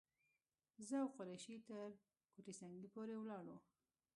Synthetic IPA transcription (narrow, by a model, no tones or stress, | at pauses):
zəawqʊɾajʃit̪əɾ | koʈisaŋɡipoɾewlɑɽo